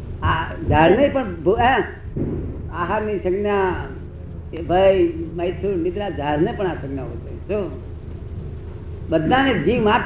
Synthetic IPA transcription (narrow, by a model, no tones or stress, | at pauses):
ad͡ʒaːɾnejpəɳbuɛ̃ | aːɦanisəɡnjã | bʱajməjt̪ʰunit̪ɾad͡ʒaːɾnepəɳasəɡnjaɦoseso | ɓəd̪nãned͡ʒĩːmat̪